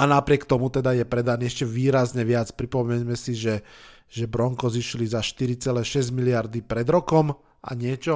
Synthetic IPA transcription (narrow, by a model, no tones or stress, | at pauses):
anapɾɪɛkt̪ɔmut̪ɛd̪ajɛpɾɛd̪aniɛʃcɛʋiːɾazɲɛʋɪat͡spɾipɔmɛɲmɛsiʒɛ | ʒɛbɾɔŋkɔziʃlizaʃt̪iɾit͡sɛlɛːʃɛzɟmilɪaɾd̪ipɾɛd̪ɾɔkɔm | ʔa̰ɲɪɛt͡ʃɔ